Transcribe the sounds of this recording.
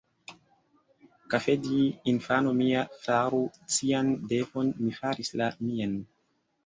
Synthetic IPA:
kafediːnfanomiafaɾut͡siandefo̞nmifaɾislamian

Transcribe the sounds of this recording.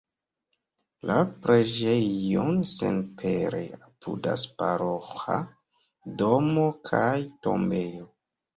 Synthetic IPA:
lapɾeʒeonsḛnpʰeɾḛapʰṵda̰spaɾoxa | domokʰajto̞mbe̞jo

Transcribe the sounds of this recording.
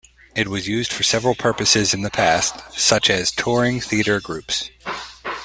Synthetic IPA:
ɨt̚wʌzjʉzd̥fə˞sɛvɹl̩ˠpʰɜ˞pɨsɪzɨ̃nðɨpʰæstsʌt͡ʃɨz̥tʰɔɹɪ̃ŋθiɨɾə˞ɡɹʉps

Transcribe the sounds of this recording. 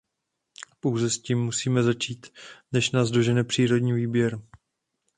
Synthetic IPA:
po̞wzɛsciːmːusiːmɛzat͡ʃiːt̪nɛʃnaːzdo̞ʒɛnɛpr̝̥iːɾo̞dɲiːviːbjɛɾ

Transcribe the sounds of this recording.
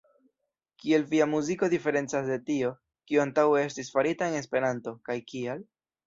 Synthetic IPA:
kie̞lviamuziko̞dife̞ɾe̞nt͡sasde̞tio̞ | kioantawe̞e̞stisfaɾitae̞ne̞spe̞ɾanto̞kajkial

